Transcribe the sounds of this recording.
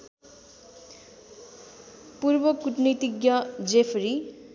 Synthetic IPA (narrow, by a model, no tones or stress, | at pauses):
puɾbʌkuʈnit̪iɡjʌd͡zepʰɾi